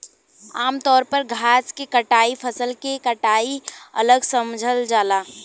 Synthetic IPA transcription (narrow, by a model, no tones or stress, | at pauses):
aːmt̪ɔːɾpəɾɡʱaːskekəʈaːipʰəsəlkekəʈaːiɐ̰ləɡsəmd͡ʒʱəld͡ʒaːlaː